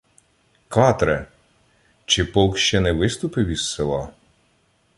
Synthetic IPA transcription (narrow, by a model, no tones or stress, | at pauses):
kɑt̪ɾɛ | t͡ʃɪpɔwkʃt͡ʃɛnɛʋɪst̪ʊpɪʋʲisːɪlˠɑ